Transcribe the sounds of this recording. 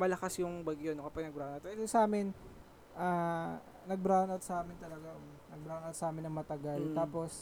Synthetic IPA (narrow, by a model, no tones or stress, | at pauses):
mɐlɐkasjʊŋbɐɡjonokɐpɐɡ̚nɐɡ̚bɾanɐt̪d̪osɐʔaːmɪn | ʔaː | nɐɡ̚bɾanɐt̪̚sɐʔaːmɪnt̪ɐlɐɡa | nɐɡ̚bɾaːwnɐt̪̚sɐʔaːmɪnɐŋmɐt̪ɐɡalt̪aːpo̞s